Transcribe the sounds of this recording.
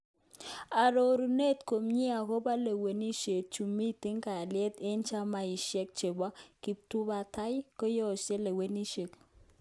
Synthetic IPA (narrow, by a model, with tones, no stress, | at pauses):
a˨ɾo˨ɾu˨ne˦tko˨mɲi˦a˨kɔ˦ba˦le˨we˨ni˦ʃe˨k̚t͡ʃu˨mi˦˨tɪ˦ŋka˨a˨lɪɛ˦t̪e˦nt͡ʃa˦ma˦i˨ʃɛ˦k̚t͡ʃe˨ba˦ki˨p̚tu˦ba˨ta˦jkɔ˦jɔ˦˨ʃe˦le˨we˦ni˦ʃe˨k